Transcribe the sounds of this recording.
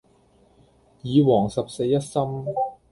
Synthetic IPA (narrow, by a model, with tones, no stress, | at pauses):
jiː˨˧wɔː˨˩ŋsɐ˨˩p̚se˧jɐ˥t̚sɐ˥m